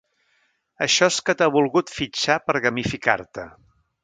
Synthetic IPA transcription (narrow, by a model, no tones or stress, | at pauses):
əʃɔskət̪aβulˠɣut̪fit͡ʃapəɾɣəmifika̰ɾt̪ə